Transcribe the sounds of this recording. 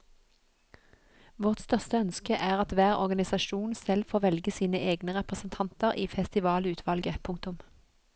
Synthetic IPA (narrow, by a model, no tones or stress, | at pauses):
ʋɔʁt̪st̪œʁst̪əœnskəʔæːʁɑt̪ʋæːʁɔ̰ʁɡɑnɪsɑʃuːnsɛlfoːʋɛlɡəsiːnəʔeːɡnəʁɛpʁəsn̩t̪ʰɑnt̪əʁʔiːfɛst̪ɪʋɑːlʉːt̪ʰʋɑlɡəpʰʊŋk̚t̪ʊm